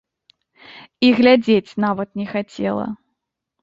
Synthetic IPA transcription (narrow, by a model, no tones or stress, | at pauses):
iɣlʲad͡zʲet͡sʲnavɐt̪̚nʲɛxat͡sʲɛ̰lˠɐ̰